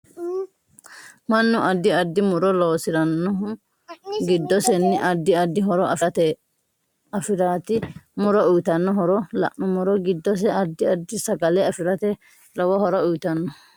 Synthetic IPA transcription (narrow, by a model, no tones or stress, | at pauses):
mɐnːʊʔɐd̪ːɪɐd̪ːɪmʊɾɔloːsɪɾɐnːɔ | ɡɪd̪ːɔsɛnːɪʔɐd̪ːɪɐd̪ːɪɦɔɾɔʔɐft̪ɛ | ɐfɪɾaːt̪ɪmʊɾɔʊjt̪ɐnːɔɦɔɾɔlɐ̰ʔnʊmʊɾɔɡɪd̪ːɔs̬ɛɐd̪ːɪɐd̪ːɪsɐɡɐlɛɐfɪɾɐt̪ɛ | lɔwɐhɔɾɔʊjt̪ɐnːɔ